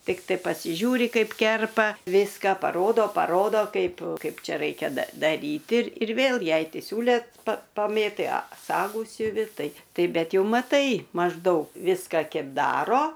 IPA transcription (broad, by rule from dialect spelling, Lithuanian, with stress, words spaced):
ˈtʲɪktɐɪ pɐsʲɪˈʒʲuːrʲɪ ˈkɐɪp ˈkʲɛrpɐ ˈʋʲɪskɐ pɐˈroːdoː pɐˈroːdoː ˈkɐɪp ˈkɐɪp ˈt͡ʃʲɛ ˈrɐɪkʲɛ dɐ dɐˈrʲiːtʲɪ ɪr ɪr ˈʋʲeːlˠ ˈjɛɪ tʲɪ ˈsʲuːlʲɛ pɐ pɐˈmʲeːtɐɪ ɐ ˈsɑːɡuː sʲʊˈʋʲɪ ˈtɐɪ ˈtɐɪ ˈbʲɛt ˈjɛʊ mɐˈtɐɪ mɐʒˈdɐʊk ˈʋʲɪskɐ ˈkʲɛp ˈdɑːroː